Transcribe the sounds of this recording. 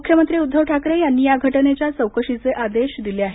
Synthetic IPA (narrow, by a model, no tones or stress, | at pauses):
ukʰjəmənt̪ɾiːud̪ʱːəʋʈʰakɾejanːiːjaɡʱəʈənet͡ɕjat͡səwkəɕit͡seʔad̪eɕd̪ileaɦe